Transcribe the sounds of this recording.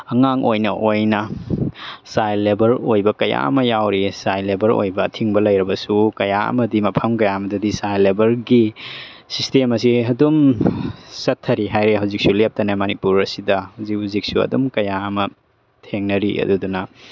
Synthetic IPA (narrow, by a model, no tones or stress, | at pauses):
ɐŋaŋojnɐʔojnɐ | sajlebɐɾojbɐkɐja̰ɐ̰mɐjawɾisajlebɐɾo̰jbɐːtʰiŋbɐlɐjɾɐbɐsukɐjaɐ̰mɐdimɐpʰɐmkɐjaɐmɐdɐdisajlebɐɾɡi | sistemɐsiɐdum | sɐtʰːɐɾiɦajɾeɦawzik̚sulep̚tɐnamɐnipuɾɐsidɐhawzik̚hawzik̚suɐ̰dumkɐjaɐmɐ | tʰeŋnɐɾiɐ̰dudunɐ